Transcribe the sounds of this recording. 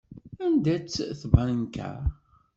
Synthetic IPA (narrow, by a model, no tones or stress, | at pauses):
ænd̪æt͡sːθbənənkæ̰